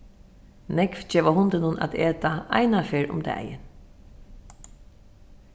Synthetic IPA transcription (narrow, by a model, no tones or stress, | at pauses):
nɛkfd͡ʒɛːʋahʊnt̪ɪnʊna̰t̪eːt̪aa̰jnafeːɾʊ̰md̪ɛ̰ːjɪ̰n